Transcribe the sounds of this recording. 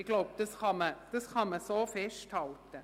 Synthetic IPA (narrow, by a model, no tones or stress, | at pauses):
ɪɡ̥loʊb̚d̥ɑsχɑməd̥ɑsχɑməsoːfɛʃthɑlt̪ə